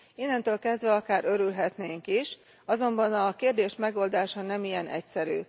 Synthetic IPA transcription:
inːɛnt̪øːlkɛzd̪ʋɛɒkaːɾø̞ɾylɦɛt̪neːŋkiʃ | ɒzo̞mbɒnɒkeːrd̪eːʃmɛɡo̞ːld̪aːʃɒnɛmijɛnɛ̰csɛɾy̰ː

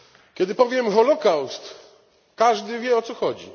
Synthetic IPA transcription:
kʲɛd̪ɘpɔvʲjɛmxɔlɔkawst̪ | kaʐd̪ɘvʲjɛɔt̪sɔxɔd͡ʑḭ

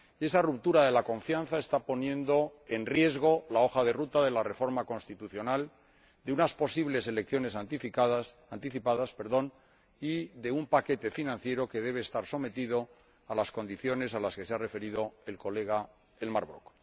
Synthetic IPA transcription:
e̞sarup̚t̪uɾaðe̞lakõ̞ɱfjanθaest̪apo̞njẽ̞nd̪o̞e̞nrje̞zɣo̞lao̞xaðe̞rut̪aðe̞lare̞fo̞ɾmako̞nst̪it̪uθjo̞nal | d̪eunaspo̞siβle̞se̞le̞kθjo̞ne̞sat̪ifiðsant̪iθipaðaspe̞ɾðo̞n | iðe̞umpake̞t̪e̞finãnθje̞ɾo̞ke̞ðe̞β̞eːst̪aɾso̞me̞t̪iðo̞ | alasko̞nd̪iθjo̞ne̞salaske̞seare̞fe̞ɾiðo̞e̞lko̞le̞ɣa | elmaɾβɾok

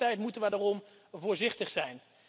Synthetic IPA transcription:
tɛjtmutənʋədarɔm | vʊːɹzɪχtəχsɛjn

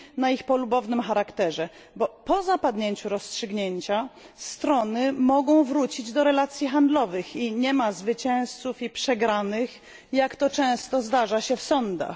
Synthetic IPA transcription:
naixpɔlubɔvnɘmxaɾakt̪ɛʐɛ | bɔpɔzapad̪ɲeɲt͡ɕuɾɔstʂɘɡɲeɲt͡ɕa | st̪ɾɔnɘmɔɡɔ̃w̃vɾut͡ɕid͡ʑd̪ɔɾɛlat̪sʲjixand̪lɔvɘxiɲɛmazvɘt͡ɕɛ̃w̃st̪sufipʂɛɡɾanɘx | jakt̪ɔt͡ʂɛ̃w̃st̪ɔzd̪aʐaɕɛfsɔnd̪a̰x

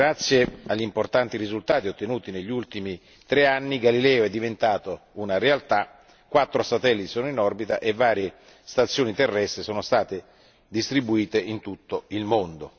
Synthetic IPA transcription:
ɾat̪sːjeaʎːimport̪ant̪iɾizult̪aːt̪iot̪ːenuːt̪ineʎːult̪imi | t̪ɾeanːiɡalilɛːoɛd̪ːivent̪aːt̪ounaɾealt̪a | kːwat̪ːɾosat̪ɛlːit̪i̥soːnoinɔrbit̪a̰ʔevːaːɾje | st̪at̪sːjoːnit̪erːɛst̪ɾesoːnost̪aːt̪e | d̪ist̪ɾibuiːt̪eʔint̪ut̪ːoilmond̪o

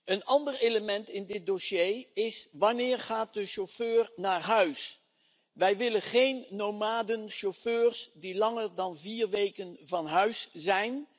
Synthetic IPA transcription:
ənɑndəɹejləmɛntɪndɪt̚dosejɪsʋɑnɪːɹχaːt̚dəʃoføːɹnaːɹɦœɥs | ʋɛjʋɪlənχejnːomaːdənʃoføːrsdilɑŋəɹdɑnviːɹʋejkənvɑnɦœɥszɛjn

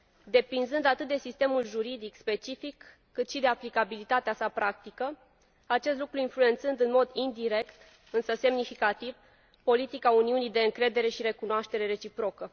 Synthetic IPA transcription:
d̪e̞pɾinzɨnd̪at̪ɨt̪̚d̪e̞sist̪e̞mulʒuɾid̪ikspe̞t͡ʃifikː | ɨt̪ʃid̪e̞aplikabilit̪at̪easapɾak̚t̪ikə | at͡ʃe̞st̪lukɾuinflue̞nt̪sɨnd̪ɨnmo̞d̪ind̪iɾe̞kt̪ | ɨnsəse̞mnifikat̪iv | po̞lit̪ikauniunijd̪e̞ɨŋkɾe̞d̪e̞ɾe̞ʃiɾe̞kunoaʃt̪e̞ɾe̞ɾe̞t͡ʃipɾo̞kə

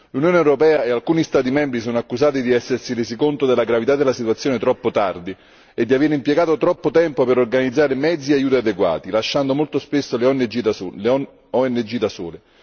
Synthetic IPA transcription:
lunjoːneɛwɾopɛːaealkuːnist̪aːt̪̬imɛmbɾisɔːnoakːuzaːt̪id̪iɛsːersiɾeːzikont̪od̪elːaɡɾavit̪ad̪ːelasit̪wat̪sjoːnet̪ɾɔpːot̪ard̪i | ed̪ːiaveːɾeimpjeɡaːt̪ot̪ɾɔpːot̪ɛmpopeɾorɡanid̪zːaːɾemɛd̪ziajuːt̪̬iad̪eɡwa̰ːt̪ilaʃːand̪omolt̪ospesːoleɔnːed͡ʒil | ɔɛnːed͡ʒid̪asṵːle

